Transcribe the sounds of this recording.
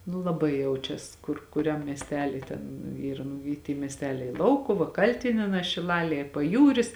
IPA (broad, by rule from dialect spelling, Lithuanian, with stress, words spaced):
nuː lˠɐˈbɐɪ ˈjɛʊt͡ʃʲɛs ˈkʊr kʊˈrʲɛm mʲiɛsʲˈtʲæːlʲiː ˈtʲɛn ˈiːrɐ nʊ ˈiː tʲiː mʲiɛsʲˈtʲæːlʲɛɪ ˈlˠɐʊkʊʋɐ ˈkɐlʲtʲɪnʲiɛnɑː ʃʲɪˈlˠɑːlʲiɛ ɪr pɐˈjuːrʲɪs